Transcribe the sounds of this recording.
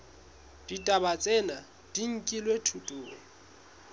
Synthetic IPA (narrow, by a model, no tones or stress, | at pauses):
d̥itʼabat͡sʼɛna | d̥iŋ̩kʼilwetʰutʼʊːŋ̩